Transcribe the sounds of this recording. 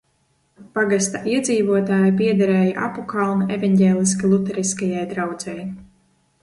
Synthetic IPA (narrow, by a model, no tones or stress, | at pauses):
paɡast̪aʔiɛd̪ziːvuɔt̪aːjp̬iɛd̪aɾɛːjaʔa̰pɔkalˠnaevaɲɟɛːlʲˠis̬kalˠut̪ɛɾiskajajd̪ɾawd̪zɛj